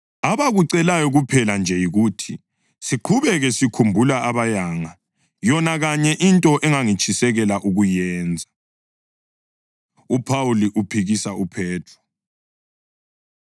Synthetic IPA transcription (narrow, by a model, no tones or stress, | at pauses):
aβaɣuǀɛlajɔɣupʰɛland͡ʒʱɛjiɣuːtʰi | siǃʰuβɛɣɛsikʰumbʱulaaβajaːŋa | jɔnaɣaɲɛʔintʼɔʔɛŋaŋit͡ʃʰʼisɛɣɛlaʔuɣujɛːnd͡zʱa | upʰawuliʔupʰiɣisaupʰɛːtʰrɔ